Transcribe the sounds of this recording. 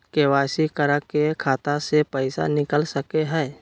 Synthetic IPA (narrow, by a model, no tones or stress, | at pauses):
keːwaːsikəɾakekʰaːt̪asepɛɪsa̰nɪkəlsəkeɦɛː